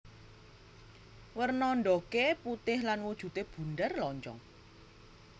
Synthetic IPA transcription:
wərnɔnɖɔkeput̪ɪhlanwud̥ʒ̥ṳt̪eb̥ṳndərlɔɲt͡ʃɔ̰ŋ

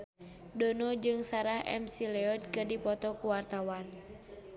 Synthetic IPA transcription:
dɔnɔd͡ʒɨŋsaɾahʔɛ̰msilɛɔd̪̚kɨrdipɔt̪ɔkuwart̪awan

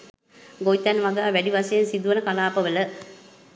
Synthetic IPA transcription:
ɡojt̪ænʋaɡaːʋæɖiʋasejensid̪uʋənəkalaːpəʋələ

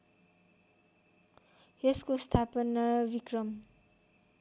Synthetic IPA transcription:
eskost̪ʰapʌnʌbikrʌm

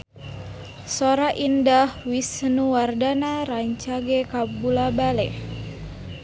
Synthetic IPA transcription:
soɾaʔindahwisənuwardanaɾaɲt͡ʃaɡɛkabulabalɛ

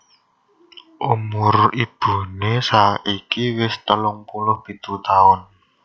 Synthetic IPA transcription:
ʔumʊrib̥ṳnesaikiwɪst̪əlʊŋpulʊhb̥i̤t̪ut̪aʊn

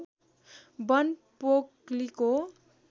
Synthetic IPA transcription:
bʌnpokliko

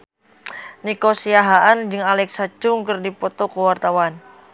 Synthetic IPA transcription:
nikosiaɦaʔand͡ʒɨŋalɛksat͡ʃʊŋkɨrdipɔt̪ɔkəwart̪awan

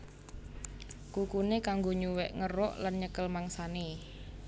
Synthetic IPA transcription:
kukunekaŋɡoɲuwɛʔŋərɔʔlanɲəkəlmaŋsane

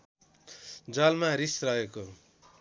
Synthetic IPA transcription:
d͡zʌlmaɾisrʌeko

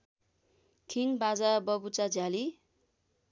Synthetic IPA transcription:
kʰinbad͡zabʌbut͡sad͡zjali

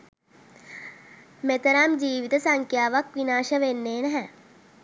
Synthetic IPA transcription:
met̪əɾamd͡ʒiːʋit̪əsɐŋkʰjaːʋakʋinaːʃəʋenːeːnɛɦɛ

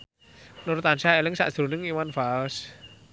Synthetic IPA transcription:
noɾt̪ansaɛlɪŋsa̰ʔsonɪŋiwanfas

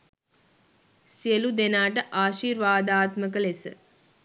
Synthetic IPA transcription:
siəlud̪enaːʈ̬əʔaːʃiːɾʋaːd̪aːt̪məkəlesə̰

